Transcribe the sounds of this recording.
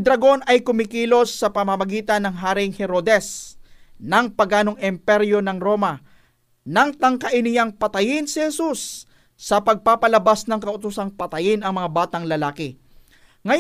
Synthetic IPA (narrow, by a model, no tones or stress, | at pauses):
d̪ɾɐɡo̞nɐjkʊmɪkiːlo̞sːɐpɐmɐmɐɡiːt̪ɐnːɐŋɦaːɾɪŋhɛɾo̞d̪ɛs | nɐŋpɐɡʔaːno̞ŋɪmpɛɾjo̞nɐŋɾo̞mɐ | nɐŋt̪ɐŋkɐʔɪnɪjaŋpɐt̪ɐjɪnsɪhɛsusː | ɐpɐɡ̚paːpɐlɐbasnɐŋkɐʔʊt̪ʊsaŋpɐt̪ɐjɪnɐŋmɐŋabaːt̪ɐŋlɐlaːkɪ | ŋɐ